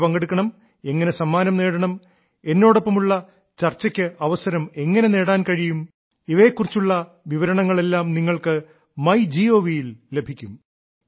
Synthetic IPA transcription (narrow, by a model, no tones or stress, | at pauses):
pɐŋɡeɽukːɐɳɐm | e̞ŋːɐne̞sɐmːaːnɐmne̞ːɽɐɳɐm | e̞nːo̞ːɽopːɐmuɭːɐ | t͡ɕɐrt͡ɕːɐkʲːɨʔɐʋɐsɐɾɐme̞ŋːɐne̞ne̞ːɽaːnkɐɻijum | iʋɐjekːurit͡ɕːuɭːɐ | ʋiʋɐɾɐɳɐŋːɐɭe̞lːaːmniŋːɐɭkɨ | mɐjd͡ʑio̞ːʋijilːe̞bʱikʲːum